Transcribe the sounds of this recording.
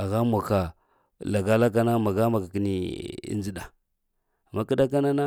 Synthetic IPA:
a˨ɣa˦mʷa˨ka˨ | la˨ɡa˦la˦k̬a˦na˦ma˨ɡa˦ma˨ka˨ki˦nḭ˦nd͡zi˦ɗa˨ | a˨ma˦ki˦da˦k̬a˦na˦na˦

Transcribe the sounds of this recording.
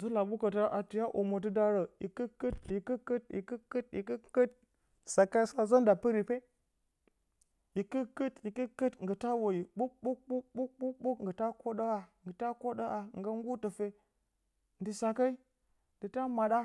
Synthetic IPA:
zə˦la˨ɓu˦kə˨t̬a˦ʔa˨tu˨ja˦ʔo˨mo˨t̬ɨ˦da˦ɾə˨i˨kə˦kə˦t̚i˨kə˦kə˦t̚ḭ˨kə˦kə˦tḭ˨kə˦kə˦t̚ | sa˨ka˦sa˦zə˦nda˨pi˦ɾi˨pe˦ | i˨kə˦kə˦ti˨kə˦kə˦tŋɡə˨ta˦wo˨ji˨ɓu˦k̚ɓu˦k̚ɓu˦k̚ɓu˦kɓu˦kɓu˦kŋ̩˨ɡə˨ta˦ko˦ɗə˦a˨ŋɡə˨ta˦ko˦ɗa˦ʔa˨ŋ˨ɡə˦ŋ˦ɡu˦tə˨fe˦ | n˨di˨sa˨ka˦i˦ | n˨di˨ta˦ma˨ɗa˦

